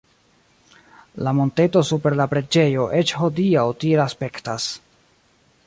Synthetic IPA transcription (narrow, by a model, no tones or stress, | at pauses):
lamo̞nte̞to̞supe̞ɾlapɾe̞d͡ʒe̞jo̞ʔe̞t͡ʃho̞diawtielaspe̞ktas